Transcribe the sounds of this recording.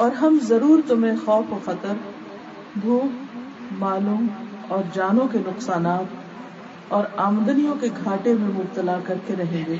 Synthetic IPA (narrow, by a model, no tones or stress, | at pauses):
ɔːɾɦɐmzɐɾuːɾt̪ʊmẽxɔːfoxɐt̪əɾ | bʱuːk | maːluːm | ɔːɾd͡ʒaːnõkenʊqsaːnaːt̪ | ɔːɾaːmd̪ənijõkeɡʱaːʈemẽmʊb̚t̪əlakɐɾkeɾɐɦẽːŋɡeː